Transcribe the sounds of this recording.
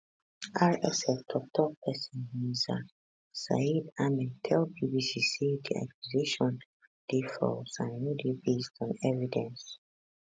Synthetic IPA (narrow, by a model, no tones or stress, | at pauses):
ʔaɹɛsɛftʰɔk̚tʰɔpʰɛsĩnhĩza | sa̰idamɛ̃tʰɛlbibisisidia̰kʰjuzeʃɔ̃n | d̥ifɔ̰lsãnjudibestɔ̃nɛvidɛ̃ns